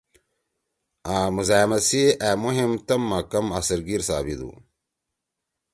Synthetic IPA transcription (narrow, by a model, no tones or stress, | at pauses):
aːmuzaːmɐsiaːmuɦimt̪ɐmːakɐmasɐɾɡiɾsaːbid̪ṵ